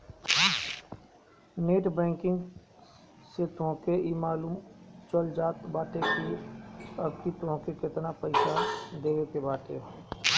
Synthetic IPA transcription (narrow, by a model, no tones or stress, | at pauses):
neːʈbɛ̃ːŋkɪ̃ŋɡ | set̪õkeimaːluːmt͡ʃəld͡ʒaːt̪baːʈ̪eki | əbkit̪õkekɪt̪napəɪsad̪eːʋekebaːʈ̪e